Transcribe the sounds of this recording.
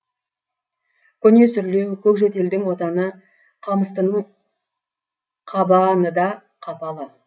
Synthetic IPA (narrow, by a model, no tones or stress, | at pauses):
kʲʰɵne̞sʏɾle̞wkʲʰɵkʒet̪e̞ld̪ɪŋwo̞t̪ɑnə | qʰɑməst̪ənə | qʰɑbɑnəd̪ɑ | qʰɑpɑlˠə